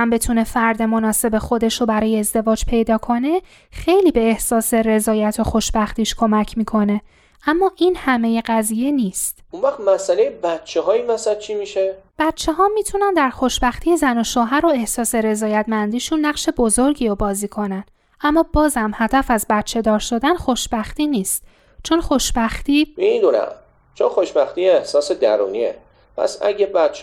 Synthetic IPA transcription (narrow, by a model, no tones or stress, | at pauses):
æmbe̞t̪ʰune̞fæɾd̪e̞mo̞nɒːse̞be̞xo̞d̪e̞ʃobæɾɒːjeːzd̪e̞vɒːd͡ʒpʰe̞jd̪ɒːkʰo̞ne̞ | xe̞jliːbe̞ːhsɒːse̞ɾe̞zɒːjæt̪ʰoxo̞ʃbæxt̪iːʃkʰo̞mæcʰmiːkʰo̞ne̞ | ʔæmːɒːʔiːnhæme̞je̞ɣæziːje̞niːst̪unvæχt̪mæsælejebæt̪t͡ʃʰehɒːimæsæl̚t͡ʃʰimiːʃeb̥æt̪t͡ʃʰe̞ɦɒːmiːt̪ʰunænd̪æɾxo̞ʃbæxt̪ʰiːjezænoʃoːɦæɾoe̞hsɒːse̞ɾe̞zɒːjæt̪ʰmænd̪iːʃunːæqʃe̞bo̞zo̞ɾɟiːɾɒbɒːziːkʰo̞næn | ʔæmːɒːbɒːzhæmhæd̪æfæzbæt̪̚t͡ʃʰe̞d̪ɒːɾʃod̪ænxo̞ʃb̥æxt̪iːniːst̪ | t͡ʃʰo̞nxo̞ʃbæxt̪iːmid̪unæ̰m | t͡ʃʰonxoʃbæxt̪iːehsɒːsed̪æ̰ɾṵːniḛ | pʰæ̰sæ̰ɟebæt̪̚t͡ʃʰ